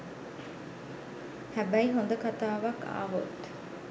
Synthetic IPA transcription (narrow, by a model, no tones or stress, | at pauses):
hæbæiɦond̪ɐkat̪aːʋɐkʰa̰ːʋot̪